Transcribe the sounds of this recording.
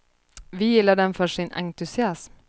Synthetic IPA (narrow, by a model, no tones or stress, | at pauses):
ʋɪjɪlːəɖɛnfœʂɪnɑ̰ŋt̪ʉsɪɑsm